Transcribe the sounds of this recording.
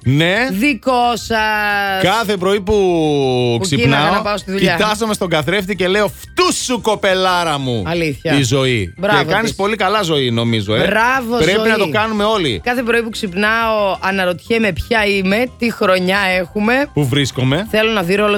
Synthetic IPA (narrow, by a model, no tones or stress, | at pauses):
ne̞ðikosɐskɐθe̞pɾo̞ipu | ksinɐɐonɐpɐost̪iðuʎiɐt̪ɐzome̞st̪o̞ɡɐθɾe̞ft̪ice̞le̞o̞ft̪usuko̞pe̞lɐɾɐmuɐliθçɐizo̞ibɾɐekɐnispo̞likɐlɐzo̞ino̞mizoeɾɐvopɾeinɐt̪okɐnume̞o̞lḭkɐθe̞p̬ɾo̞ipuksipnɐoɐnɐɾo̞t̪çeme̞pçɐime̞t̪ixɾo̞ɲɐe̞xume̞puvɾisko̞me̞θe̞lo̞nɐðiɾoolo